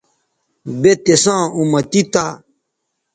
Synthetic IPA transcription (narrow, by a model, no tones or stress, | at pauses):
bet̪esãumɐt̪it̪a